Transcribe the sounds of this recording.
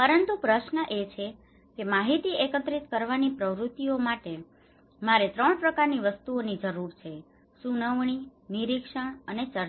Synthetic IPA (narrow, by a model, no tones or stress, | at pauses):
pəɾənt̪upɾəʃnəʔet͡ʃʰe | kemaɦit̪iekət̪ɾit̪kəɾʋanipɾəʋɾut̪ːiomaʈe | maɾet̪ɾəɳpɾəkaɾniʋəst̪uonid͡ʒəɾuɾt͡ʃʰe | sunəʋɳ̃iniɾikʂəɳ̃ənet͡ʃəɾ